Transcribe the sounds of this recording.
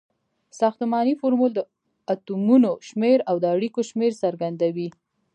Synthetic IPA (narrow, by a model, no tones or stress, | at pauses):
sɑxt̪əmɑnifoɾmuld̪ə | at̪umunoʃmeɾawd̪əaɽikoʃmeɾsaɾɡand̪awi